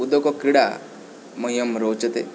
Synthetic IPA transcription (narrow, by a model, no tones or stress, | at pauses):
ud̪okokɾiɽa | mɐijɐmɾoːt͡ʃɐt̪ḛ